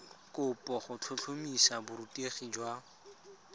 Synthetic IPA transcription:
kʼʊpʼɔχʊt͡ɬʰʊt͡ɬʰomisabʊɾutieχid͡ʒwa

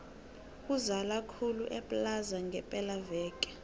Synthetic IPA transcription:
kuzalakʰuluʔɛpʼlazaŋɡʱɛpʼɛlavɛːkʼɛ̥

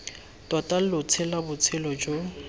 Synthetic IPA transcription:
tʼwatʼal̩lʊt͡sʰɪlabʊt͡sʰɪlɔd͡ʒo

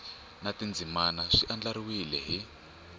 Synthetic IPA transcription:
natind͡zimanaʂiʔand͡ɮaɾiwilɛɦi

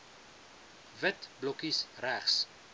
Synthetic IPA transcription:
vətblɔkisræχs

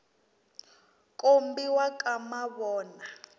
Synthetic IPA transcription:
kʼombiwakʼamaβɔːna

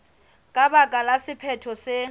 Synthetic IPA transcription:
kʼabakʼalasɪpʰɛtʰɔsɪ

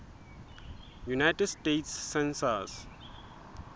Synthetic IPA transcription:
junajʈədsteːtsːɛ̃nsaz

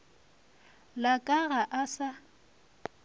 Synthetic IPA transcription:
lakʼaɣaʔasa

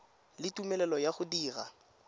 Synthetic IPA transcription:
lɪtʼumɛlɛlɔjaχʊdiːra̰

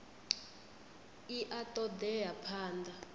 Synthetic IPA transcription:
iʔatʼɔd̪ɛjapʰaːnda

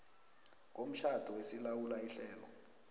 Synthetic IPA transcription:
kom̩ʃʰad̥ʱɔwesilawulaiɬɛːlɔ̰

